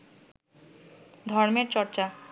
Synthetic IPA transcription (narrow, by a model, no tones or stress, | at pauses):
d̪ʱɔɾmeɾt͡ɕɔɾt͡ɕa